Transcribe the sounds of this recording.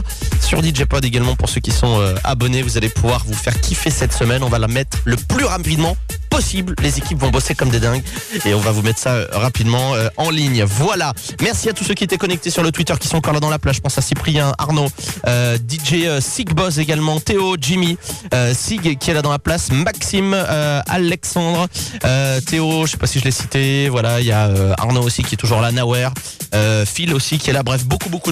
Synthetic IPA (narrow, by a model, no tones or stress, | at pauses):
syʁd̪iʒepɔd̪eɡalmɑ̃puʁsøkʲisɔ̃øa̰bɔnevuzalepuvwaʁvufɛʁkʲʰifesɛt̪səmɛnɔ̃valamɛt̪χləplyʁapid̪mɑ̃ | pɔsibllezekʲipvɔ̃bɔsekɔmd̪ed̪ɛ̃ɡeɔ̃vavumɛt̪χsaø̰ʁapid̪mɑ̃øɑ̃liɲvwala | mɛʁsiat̪usøkʲiet̪ɛkɔnɛk̚t̪esyʁlət̪wit̪œʁkʲi̥sɔ̃ɑ̃kɔʁlad̪ɑ̃laplazʒəpɑ̃sasipχijɛ̃ʔa̰ʁnoød̪iʒeøsiɡbɔseɡalmɑ̃t̪eod͡ʒimiøsiɡkʲiɛlad̪ɑ̃laplasmaksimøa̰lɛksɑ̃d̪ʁøt̪eoʒəʃe̥pasiʒəlɛsi̥t̪evwalailjaøa̰ʁnoːsikʲiɛt̪uʒuʁlanawɛʁ | øfilosikʲiɛlabʁɛfbokuboku